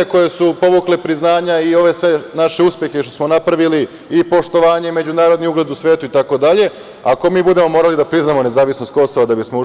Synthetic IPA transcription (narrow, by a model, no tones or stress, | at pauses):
eko̞je̞supo̞ʋuklepɾiznaːɲaio̞ʋe̞sʋe̞naʃeuspje̞xe̞ʃt̪o̥smo̞napɾaʋiliː | po̞ʃt̪o̞ʋaːɲe̞me̞d͡ʑunaːɾo̞d̪niuɡle̞d̪usʋʲe̞ːt̪uit̪ako̞d̪aʎe̞ | ako̞miːbud̪e̞mo̞mo̞ːɾalid̪apɾiznamo̞ne̞zaːʋisnost̪̚ko̞soʋad̪abismo